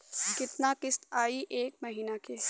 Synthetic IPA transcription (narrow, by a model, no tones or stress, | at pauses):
kɪt̪nakɪst̪aːiʔeːk̚mɐɦiːnakeː